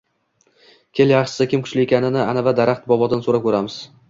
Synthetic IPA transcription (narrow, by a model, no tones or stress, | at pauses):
kʲʰeljaχʃɪ̥sɪkʲɪmkʰʊt͡ʃlɪekʲʰanɪnɪanavad̪aɾaχt̪bɒbɒd̪ɪnsoɾap̚kʰʲɵɾamɪz̥